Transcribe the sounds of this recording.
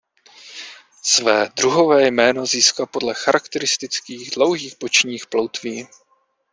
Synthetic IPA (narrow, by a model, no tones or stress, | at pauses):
svɛːd̪ɾuɦo̞vɛːjmɛːno̞ziːskapo̞dlɛxaɾakt̪ɛɾɪst̪ɪt͡skiːɣdlo̞wɦiːxbo̞t͡ʃɲiːxplo̞wt̪viː